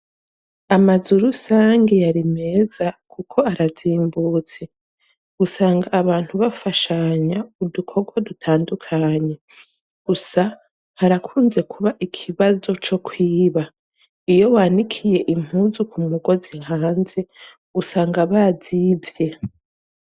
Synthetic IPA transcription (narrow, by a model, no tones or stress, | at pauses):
amazuɾusaːŋɡe̞jaɾime̞ːzakukʰo̞aɾaziːmbuːt͡se̞ | usaːŋɡaːβaːnthuβafaʃaɲaudukʰo̞ɡwadutʰaːndukʰaɲe̞ | ɡ̥usa | haɾakʰuːnze̞kʰuβaʔikʰiβazo̞t͡ʃo̞kʰwiːβa | ijo̞wanikʰije̞ʔim̥huːzukʰumuɡo̞zihaːnze̞ | usaːŋɡaβazivje̞